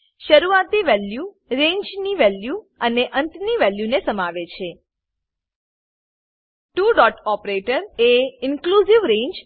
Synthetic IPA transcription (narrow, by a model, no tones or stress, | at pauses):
ʃəɾuat̪iʋɛlju | ɾẽɲd͡ʒniʋɛlju | əneʔənt̪niʋɛljunesəmaʋet͡ʃʰe | ʈuɖɔʈɔpɾeʈəɾeɪnkluziʋɾẽɲd͡ʒ